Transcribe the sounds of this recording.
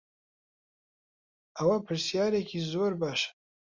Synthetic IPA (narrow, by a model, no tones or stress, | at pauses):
ʔɐwɐpʰɨɾsjaːɾekʰiːzoːɾbaːʃ